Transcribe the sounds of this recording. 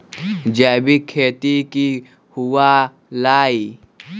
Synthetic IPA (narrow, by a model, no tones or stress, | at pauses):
d͡ʒɛːbikʰːeːt̪iki | huwaː | laːi